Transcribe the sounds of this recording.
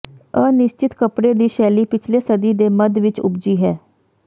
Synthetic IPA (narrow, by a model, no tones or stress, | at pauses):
əːnɪst͡ʃɪt̪kəpɽeːd̪iːʃɛːliːpɪt͡ʃʰleːsəd̪iːd̪eːməd̪ʋɪt͡ʃʊ̰bd͡ʒiːɦɛː